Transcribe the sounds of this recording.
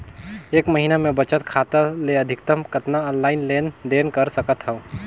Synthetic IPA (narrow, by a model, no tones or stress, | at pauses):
eːkmɐɦiːnamẽbɐt͡ʃət̪kʰaːt̪əleɐd̪ʱɪkt̪əmkət̪naɔːnlaːɪnleːnd̪eːnkəɾsɐkət̪ɦɛoː